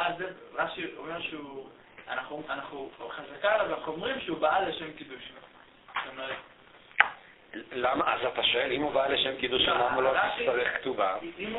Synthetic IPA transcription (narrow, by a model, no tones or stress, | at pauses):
azeʁaʃiomeʁʃeu | anaχuanaχnuχazakalavanaχuomʁimʃeubaleʃemkid̪uʃmaa | t̪omeʁet̪ | lamaʔazat̪aʃoelimubaleʃemkid̪uʃaamuloit̪aʁeχkt̪uvaim